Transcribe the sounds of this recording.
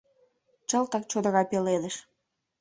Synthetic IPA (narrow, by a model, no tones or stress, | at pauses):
t͡ɕə̆lt̪ɑk̚t͡ɕod̪ə̆ɣɑpeled̪ĕʃ